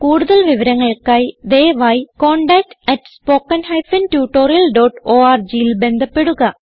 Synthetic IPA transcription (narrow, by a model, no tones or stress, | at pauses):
kuːɽuðɐlʋiʋɐɾɐŋːɐɭkːaːjid̪eːʋaːjkoːɳɖak̚ʈɐʈspo̞ːkːɐnɦɐjfɐntjuːʈːoːɾijɐlɖoːʈoːaːrd͡ʑijilbe̞nd̪ʱɐpːe̞ɽuɣɐ